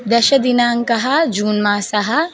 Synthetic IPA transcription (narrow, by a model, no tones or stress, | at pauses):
d̪ɐʃɐd̪inaːŋkɐɦɐd͡ʒuːnmaːsɐɦɐ